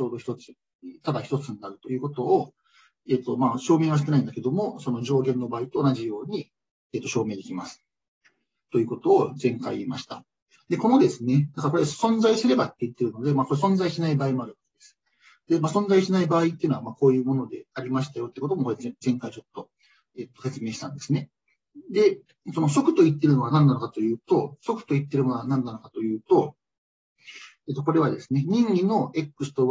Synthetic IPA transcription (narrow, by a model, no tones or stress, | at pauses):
t͡ɕo̞ːd̪o̞çi̥t̪o̞t͡sɨ̥ | t̪ad̪açi̥t̪o̞t͡sɨnnaɾɯ̟t̪o̞jɯ̟ːko̞t̪o̞ː | eːt̪ːo̞maːɕo̞ːme̞ːβaɕ̬i̥t̪ːenaĩnd̪ake̞d̪o̞mo̞so̞no̞ʑo̞ːɡẽ̞nːo̞baːit̪o̞ːnaʑijo̞ːɲ̟i | eːt̪ːo̞ɕo̞ːme̞ːd̪e̞kʲimasɨ̥ | t̪o̞jɯ̟ːko̞t̪o̞ːzẽ̞ŋka̰imaɕi̥t̪a | d̪e̞ko̞no̞d̪e̞sɨne̞d̪akaɾako̞ɾesõ̞nzaisɨɾe̞bait̪ːeɯ̟t̪ːe̞ɾɯ̟no̞d̪e̞maːko̞ɾes̬õ̞nd͡zaiɕinaibaːimo̞aɾɯ̟βake̞d̪esɨ̥ | d̪e̞maːsõ̞nzaiɕinaibaːit̪ːeɯ̟namako̞ːjɯ̟ːmo̞no̞d̪e̞aɾʲimaɕi̥t̪ajo̞t̪eikot̪omo̞koezẽ̞ŋkait͡ɕo̞t̪ːo̞ | eːt̪ːose̞t͡sɨme̞ːɕi̥t̪ã̰nd̪e̞sɨne̞ | d̪e̞ | so̞no̞so̞kɯ̟̥t̪o̞it̪ːe̞ɾɯ̟no̞anãnːanokat̪ojɯ̟ːt̪o̞so̞kɯ̟̥t̪o̞it̪ːe̞ɾɯ̟monoanãnːano̞kat̪o̞jɯ̟ːt̪o̞ | et̪ːoko̞ɾe̞βad̪e̞sɨne̞ɲ̟ĩɲːʲino̞e̞kːɯ̟sɨ̥t̪o̞